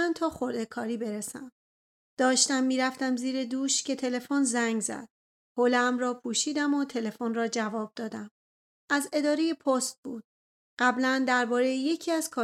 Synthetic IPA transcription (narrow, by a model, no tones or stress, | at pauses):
ænt̪ʰɒːxo̞ɾd̪e̞kʰɒːɾiːbe̞ɾesæm | d̪̥ɒːʃt̪æmːiːɾæft̪æmziːɾe̞d̪uːʃcʰe̞t̪ʰe̞le̞fonzæŋɡzæ̰d̪̥̚ | holeːmɾɒːpʰuːʃiːd̪æmot̪ʰe̞le̞fonrɒːd͡ʒævɒːb̥̚d̪ɒːd̪æm | ʔæze̞d̪ɒːɾe̞jepʰost̪̚buːd̪̥̚ | ɢ̥æblænd̪æɾbɒːɾejeje̞cʰiːæz̥kʰɒː